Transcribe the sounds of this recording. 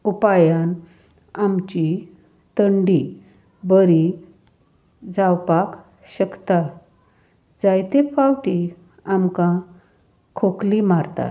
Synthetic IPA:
upajan | amt͡ɕi | t̪əɳɖi | bəɾi | d͡zawpak | ɕəkt̪a | d͡zajt̪efawʈi | amkã | kʰoklimaɾt̪a̰

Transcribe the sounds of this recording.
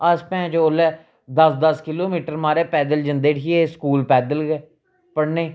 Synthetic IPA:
əspɛ̃ːd͡ʒoːlɛː | d̪əsd̪əskɪloːmiːʈəɾmaːɾɛːpɛːd̪əld͡ʒənd̪eːʈʰiːeːskuːlpɛːd̪əlɡɛː | pəɽneː

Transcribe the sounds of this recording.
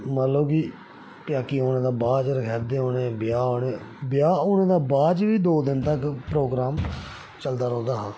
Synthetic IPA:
maːloːki | pjaːkiːoːnẽːd̪aːbaːd͡ʒəɾkʰɛːɾd̪eːoːnẽːbɪjaːoːneː | bɪjaːoːnẽːd̪aːbaːd͡ʒʋiːd̪oːd̪ɪnt̪əkpɾoːɡɾaːm | t͡ʃəld̪aːɾɔ̃ːnd̪aːɦãː

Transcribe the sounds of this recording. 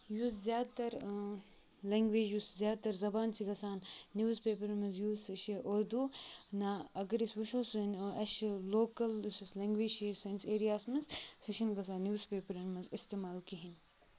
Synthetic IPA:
juszʲjaːd̪t̪ɐɾ | leŋɡʋeːd͡ʒjuszʲjaːd̪̚t̪ɐɾzɐbaːnsikɐsaːnːjuːzpeːpɐɾmɐnzjuːsɐʃiʔoɾd̪unaɐɡɐɾisʋuʃoːsunɐʃloːkɐljusɐslɐŋɡʋeːd͡ʒʃesɐnseːɾijaːsmɐzsɐʃɐnɡɐs̬aːnjuːzpeːpɐɾɐnmɐzist̪eːmaːlkiɦin

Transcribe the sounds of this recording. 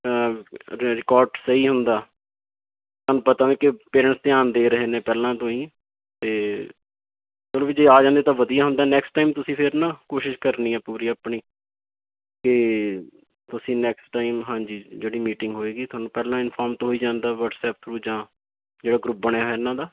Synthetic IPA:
ɾɪkɔːɾɖsəiːɦʊnd̪aː | t̪anũːpət̪aːʋẽːkɪpeːɾə̃ːɳʈst̪ɪaːnd̪eːɾəɦeːnẽːpɛːlãːt̪õːĩː | t̪eː | təlõːʋiːd͡ʒeaːd͡ʒãːnd̪eːt̪ãːʋəd̪ijaːɦʊ̃nd̪aːnɛːksʈːaːimt̪ʊsĩːpʰɪɾnãːkoːʃɪʃkəɾniːɛːpuːɾiːaːpɳiː | kɪ | t̪ʊsĩːnɛːksʈaːɪmɦãːd͡ʒiːd͡ʒeːɽiːmiːʈɪ̃ŋɡɦoːeːɡiːt̪ʰʊaːnũːpɛːlãːɪnpʰaːɾmt̪oɦoːiːd͡ʒãːnd̪aːʋəʈsɛːp̚t̪ʰɾuːd͡ʒãː | d͡ʒeːɽaːɡɾuːp̚bəɳ̃eːɦɛːnːãːd̪aː

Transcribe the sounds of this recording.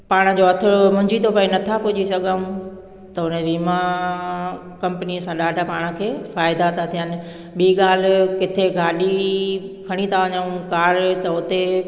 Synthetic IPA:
paːɽ̃əd͡ʑoɐt̪ʰɪɽomʊ̃ɲd͡ʑit̪ʰopɐinɐt̪ʰapʊʄisɐɡʱaũ | t̪ɐʊnẽʋiːma | kɐ̃mpəniəsãɗaːɖʱapaːɽ̃kʰeːfaːɪd̪at̪ʰat̪ʰijənɪ̆ | ɓiːɠaːl̤ɪ̆kɪt̪ʰeɡʱaːɗi | kʰɐɽ̃it̪ʰaʋɐɲaũkaːɾt̪ɐʊt̪e

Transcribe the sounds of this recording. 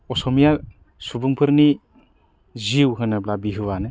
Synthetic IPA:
ɔsɔmija | subuŋpʰɯɾni | ziwɦɯnɯblabiɦɯwanɯ

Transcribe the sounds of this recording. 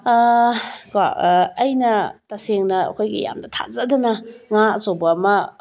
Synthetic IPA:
ka̰ːjnɐtaseŋnɐ̰kʰɔjɡḭja̰mdɐtʰa̰zadanaŋasobaːmɐ

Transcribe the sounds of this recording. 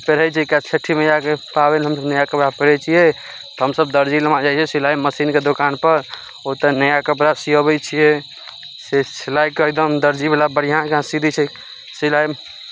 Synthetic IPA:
peɾ̤ɛt͡ʃʰɛkat͡ʃʰəʈʰːimejãkepabɛniɦəmsəbnəjakəpɾapeɽɛt͡ʃʰijɛ | t̪ɔɦəmsəb̚d̪əɾd͡ʒiləmad͡ʒajt͡ʃʰɛsilaiməsinked̪okanpəɾ | ot̪ənəjakəpɾasiəbɛt͡ʃʰijɛ | sesilajkəjd̪əmd̪əɾd͡ʒibʱelabəɽ̤ijãkɦãsid̪ʱit͡ʃʰɛ | silai

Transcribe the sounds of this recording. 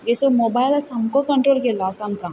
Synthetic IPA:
jesomoːbaːɪlɐsɐmkokɐ̃ɳʈɾoːlkelaːsamkã

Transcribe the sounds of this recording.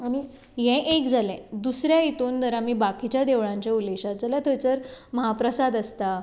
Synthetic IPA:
aɽ̃i | jɛ̃ʔekd͡zʱalɛ̃d̪usɾjait̪uːnt̪əɾamiːbakit͡ɕjad̪eʋɭãɲt͡ɕjauleɕat̪̚d͡zəlat̪ʰət͡səɾməɦapɾəsad̪əst̪a

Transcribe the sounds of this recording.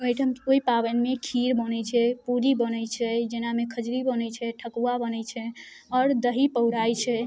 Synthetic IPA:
əjʈʰəmoipabənmekʰiɾbənɛt͡ʃʰɛpuɾibənɛt͡ʃʰɛd͡ʒenamekʰəd͡ʒɾibənɛt͡ʃʰɛʈʰəkuabənɛt͡ʃʰɛɔːɾd̪əɦipəwɾajt͡ʃʰɛ

